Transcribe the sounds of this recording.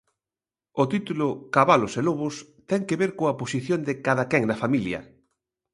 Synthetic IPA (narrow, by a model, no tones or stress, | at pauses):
ot̪it̪ulʊkaβaloseloβʊs | t̪ɛŋkeβeɾkoaposiθjond̪ɪkaðakɛŋnɐfamiljɐ̰